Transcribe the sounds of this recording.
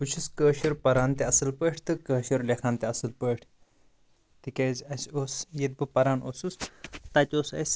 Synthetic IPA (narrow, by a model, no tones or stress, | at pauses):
ut͡ʃʰuskəːʃiɾpɐɾaːnt̪eɐsɨlpəːʈʰʲt̪ɨkəːʃiɾlʲekʰaːnt̪eɐsɨlpəːʈʰ | t̪ɨkʲeːzʲɐsʲoːsjed̪̚bɨpɐɾaːnʔoːsust̪ɐt̪ʲoːsɐ̰sʲ